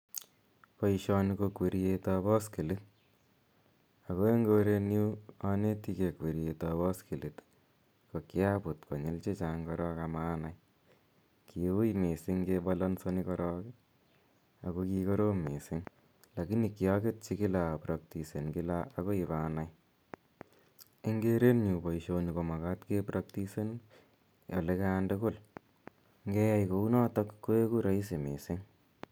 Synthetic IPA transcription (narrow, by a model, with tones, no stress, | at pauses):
paiʃɔnikokwe˨ɾijetabɔ˦ski˨li˦t̚ | a˨ko˦e˦ŋɡoɾe˧nju˦aneti˧ke˨kwe˨ɾietabɔ˦ski˨lit̪ | ko˨kjapu˨tko˨ɲe˦lt͡ʃe˦t͡ʃaŋkɔɾɔkamaːnaj | ki˨u˦jme˨siŋkebɔlɔnsɔnikɔɾɔk | ako˧kiko˦ɾo˦me˨sɪ˦ŋ | la˨ki˦ni˨kijaket̚t͡ʃi˦kɪ˦lapɾa˨k̚ti˨se˨nkɪ˦laːko˦i˨βanaj | e˦ŋɡeɾe˦nɲu˨pɔ˨iʃo˧niko˨ma˨ka˦tkepɾʔak̚tise˦n | jo̰˨lekandʊkʊ˦l | ŋɡɛ˦ja˦jkou˦nɔ˦tɔkkːo˦e˦ku˦ɾa˦i˦s̬e˨mḛ˨sɪ˦ŋ